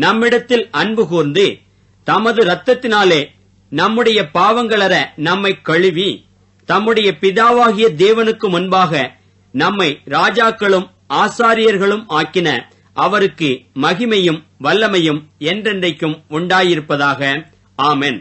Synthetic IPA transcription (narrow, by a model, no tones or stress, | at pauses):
nɐmːɪɽɐt̪ːɪlɐɳbɯkuːɾnd̪ɯ | t̪ɐmɐðɯɾɐt̪ːɐt̪ːɪnaːleː | nɐmːɯɽɐjɐpaːʋɐŋɡɐɭɐɾɐnɐmːɐɪkːɐɻɯʋi | t̪ɐmːɯɽɐjɐpɪðaːʋaːɣɪjɐd̪eːʋɐnɯkːɯmʊnbaːɣɐ | nɐmːɐɪɾaːd͡ʒaːkːɐɭɯm | aːsaːɾɪjɐɾɣɐɭɯmaːkːɪnɐ̰ | ʔɐʋɐɾɯkːɯmɐɣɪmɐjɯmʋɐlːɐmɐjɯmɛndrɛndrɐɪkːɯmʊɳɖaːjɪɾɯpːɐðaːɣɐ | aːmɛn